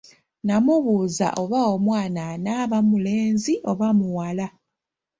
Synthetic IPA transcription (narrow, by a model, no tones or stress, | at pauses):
namuβuza̰ʔo̞βao̞mwaːnanaβamule̞ːnziʔo̞βamuwala